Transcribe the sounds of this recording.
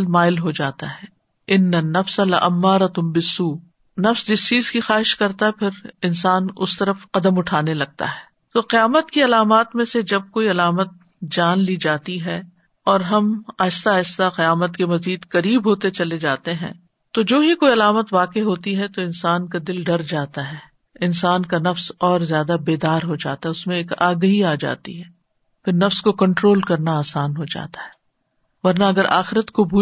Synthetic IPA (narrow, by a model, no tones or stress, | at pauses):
lmaːɪlɦod͡ʒaːt̪a̰ɦɛː | ɪnːɐnːɐfsalɐ̰ʔɐmːaːɾɐt̪nbɪsːuː | nɐfsd͡ʒɪst͡ʃiːzkixaːɦɪʃkɐɾt̪aɦɛpʰɪɾɪnsaːnʊst̪ɐɾəfqɐd̪əmʊʈʰaːnelɐɡ̚t̪a̰ɦɛː | t̪oːqɪjaːmət̪kiɐlaːmaːt̪mẽsed͡ʒɐb̚koːiɐlaːmət̪̚ | d͡ʒaːnlid͡ʒaːt̪iɦɛ | ɔːɾɦɐmaːɪst̪aːɪst̪aqɐjaːmət̪kemɐziːd̪kɐɾiːbɦoːt̪et͡ʃɐled͡ʒaːt̪eɦɛ̰̃ː | t̪od͡ʒoːɦikoːiɐlaːmət̪ʋaːqeɦoːt̪iɦɛt̪oɪ̃nsaːnkad̪ɪlɖɐɾd͡ʒaːt̪aɦɛː | ɪnsaːnkanɐfsɔːɾzjaːd̪abeːd̪aːɾɦod͡ʒa̰ːt̪aɦɛʊsmẽeːkaːɡəɦiaːd͡ʒa̰ːt̪ḭɦɛː | pʰɪɾnɐfskokɐ̃ɳʈɾoːlkɐɾnaaːsaːnɦod͡ʒa̰ːt̪ḁɦɛ̥ː | ʋɐɾnaɐɡəɾʔa̰ːxɪɾət̪kobʱuː